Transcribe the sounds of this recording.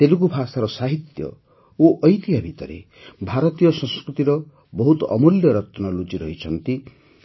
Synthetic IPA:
t̪eluk̬ubʱasaɾɔsaɦit̪jɔ̰ | oʔɔjt̪iɦabʱit̪ɔɾḛ | bʱaɾɔt̪ijɔsɔ̃skɾut̪iɾɔ | bɔɦut̪ɔɔmuljɔɾɔt̪ɔnɔlut͡ʃiɾɔɦit͡ʃʰɔnt̪i

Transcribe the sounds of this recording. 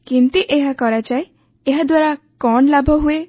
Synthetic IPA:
kint̪iʔeɦakɔɾat͡ʃae | eɦad̪waɾa | kɔɳlabʱɔɦue

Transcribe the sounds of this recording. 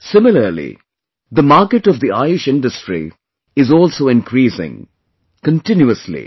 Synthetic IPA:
sɪmɪləɾlḭ | d̪əmaːɾkəʈɔvd̪iaɪɾɪʃɪ̃nɖəsʈɾḭ | ɪzɔːlsoːɪ̃nkʰɾiːsɪ̰̃ŋ | kə̃nʈɪ̃njuəslḭ

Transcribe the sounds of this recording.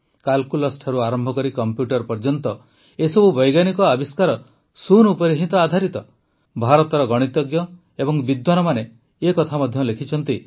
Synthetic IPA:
kalkulɔsʈʰaɾuaɾɔmbʱɔkɔɾikɔmpjuʈɔɾpɔɾd͡ʒɔnt̪ɔ | esɔbubɔjɡanikɔabiskaɾɔ | sunupɔɾiɦit̪ɔad̪ʱaɾit̪ɔ | bʱaɾɔt̪ɔɾɔɡɔɽ̃it̪ɔɡjɔ | ebɔŋbid̪wanɔmane | ekɔt̪ʰamɔd̪ʱjɔlekʰit͡ʃʰɔnt̪i

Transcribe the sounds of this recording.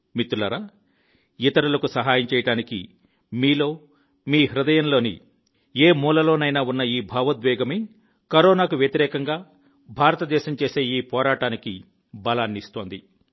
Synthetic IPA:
mit̪ːulɐɾaː | it̪ɐɾulɐkusɐɦaːjɐmt͡ʃɛːjɐɽaːnikḭ | miːlo̞ː | miːɦɾud̪ɐjɐnlo̞ːnḭ | eːmuːlɐlo̞ːnɐjnaːunːɐiːbʱaːʋɐd̪ʋɛːɡɐmeː | kɐɾɔːnaːkuʋjɐt̪iɾɛːkɐŋɡaː | bʱaːɾɐt̪ɐd̪ɛːʃɐmt͡ʃeːse̞ːiːpɔːɾaːʈaːniki | bɐlaːnːist̪o̞ːnd̪i

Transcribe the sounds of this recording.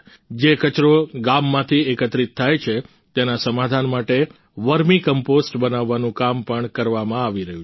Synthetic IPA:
d͡ʒekət͡ʃɾoɡamːãt̪ʰiekət̪ɾit̪ʰːajt͡ʃʰe | t̪enasəmad̪ʱanmaʈe | ʋəɾmĩkəmposʈbənaʋːanũkampəɳkəɾʋamãaʋiɾəɦjũ

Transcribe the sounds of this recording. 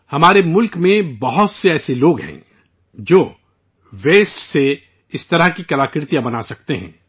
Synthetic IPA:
hɐmaːɾemʊlkmẽbɐɦʊt̪seɛːseloːɡɦɛ̰̃ | d͡ʒoː | ʋeːsʈse | ɪst̪ɐɾəɦkikɐlaːkɪɾt̪ijabɐnasɐkt̪eɦɛ̰̃ː

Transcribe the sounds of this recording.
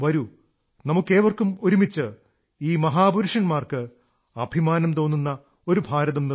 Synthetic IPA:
ʋɐɾu | nɐmukːe̞ːʋɐrkumoɾumit͡ɕːɨ | iːmɐɦaːbuɾuʂɐnmaːrkɨ | ɐbʱimaːnɐmt̪o̞ːnːunːɐ | o̞ɾubʱaːɾɐðɐmni

